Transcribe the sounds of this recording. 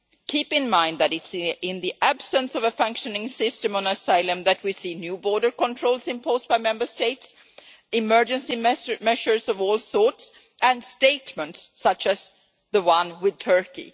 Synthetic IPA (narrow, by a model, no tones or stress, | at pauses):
kʰipɨ̃nmãɪ̃nd̪ðɨɾɨtsɪ̃nðiʔæb̥sə̃nsʌvəfʌ̃ŋkʃɨnɪ̃ŋsɪstɨ̃mə̃nəsaɪlˠə̃mðɨt̚wisinjʉbɔɹɾə˞kə̃ntʰɹ̥oʊlˠzɨ̃mpʰoʊzbaɪmɛ̃mbə˞steɪts | ɨmɜ˞d͡ʒɨ̃nsimɛmɛʃə˞zʌvɔlˠsɔɹts | ʔɨ̃nsteɪtmə̃ntssʌt͡ʃɨz̥ | ðəwʌ̃nwɪð̚tʰɜ˞kḭ